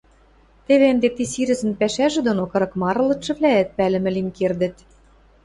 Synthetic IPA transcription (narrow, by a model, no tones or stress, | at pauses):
t̪eβend̪et̪isiɾɘ̆zɘ̆npæʃæʒĕd̪onokɤ̆ɾɤ̆kmɑɾɤ̆lɤ̆t̪ʃɤ̆βlæːt̪̚pælɘ̆mɘ̆limkerd̪ɘ̆t̪